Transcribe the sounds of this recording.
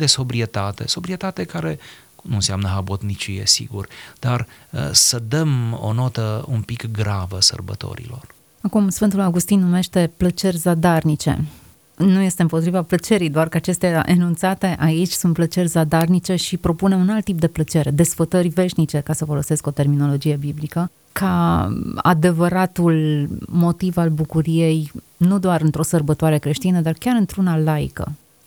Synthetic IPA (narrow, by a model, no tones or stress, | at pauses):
d̪e̞so̞bɾie̞t̪at̪e̞̰so̞bɾie̞t̪at̪e̞kaɾe̞ | nunseamnəɦabot̪nit͡ʃije̞̰sḭɡurd̪̥ar | səd̪əmo̰no̞t̪əumpikɡɾavəsə̰rbə̰t̪o̰ɾḭlo̞̰r | akumsfɨnt̪ulaɡust̪inːume̞ʃt̪e̞plət͡ʃe̞rʲzad̪arnit͡ʃe̞̰ | nuje̞st̪e̞ɨmpo̞t̪ɾivaplət͡ʃe̞ɾijd̪oarkəat͡ʃe̞st̪eaʔḛnunt̪sat̪e̞ʔait͡ʃʲsunt̪̚plət͡ʃe̞rʲzad̪arnit͡ʃe̞ʃipɾo̞pune̞unalt̪ːip̚d̪e̞plət͡ʃe̞ɾe̞d̪e̞sfət̪ərʲve̞ʃnit͡ʃe̞kasəfo̞lo̞se̞sko̞t̪e̞rmino̞lo̞d͡ʒije̞biblikə | ka | a̰d̪e̞vəɾat̪ulmo̞t̪ivalbukuɾije̞j | nud̪oaɾɨnt̪ɾo̞sərbət̪oaɾe̞kɾe̞ʃt̪inəd̪arkʲaɾɨnt̪ɾunalaj̰kə̰